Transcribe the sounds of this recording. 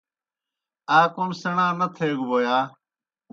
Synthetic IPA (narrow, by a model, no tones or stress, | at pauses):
aːkoːnsəɳãːnət̪ʰeːɡʋoːjaː